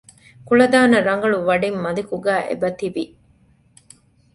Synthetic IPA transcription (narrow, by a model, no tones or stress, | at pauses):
kuɭɐd̪aːnɐɾɐŋ̆ɡɐɭuʋɐɖimmɐlikuɡæːʔḛbɐt̪iʋi